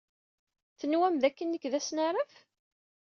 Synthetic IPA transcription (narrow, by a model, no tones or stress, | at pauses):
θənwæmðækːənːəkðæsnaɾˤəf